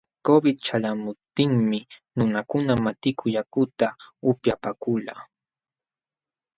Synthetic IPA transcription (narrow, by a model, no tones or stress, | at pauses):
kobɪd̪̚t͡ʃalamʊp̚t̪ɪŋmɪnʊnakʊnamat̪ɪkʰʊjakʊt̪aʊpjapakʊla